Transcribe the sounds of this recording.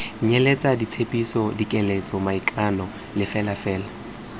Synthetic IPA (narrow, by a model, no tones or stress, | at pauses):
ɲelet͡sʼadit͡sʰepʼisɔdikʼɛlet͡sʼɔmaikʼanɔ | lɪfɛlafɛːla